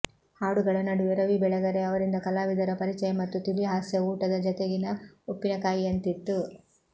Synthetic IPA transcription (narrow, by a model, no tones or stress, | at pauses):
haːɽuɡɐɭɐnɐɖuʋɛɾɐʋibɛɭɐɡɐɾe̞ɐʋɐɾind̪ɐkɐlaːʋid̪ɐɾɐpɐɾit͡ʃɐjɐmɐt̪ːut̪iliɦaːsjɐuːʈɐd̪ɐd͡ʒɐt̪eɡinɐopːinɐkaːjiɐnt̪it̪ːu